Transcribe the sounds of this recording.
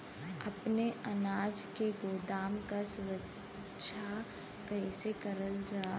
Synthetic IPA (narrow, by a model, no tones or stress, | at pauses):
ɐpneʔɐnaːd͡ʒkeɡoːd̪aːmkasʊɾəkː | ʃʰa | kəːsekəɾəld͡ʒaː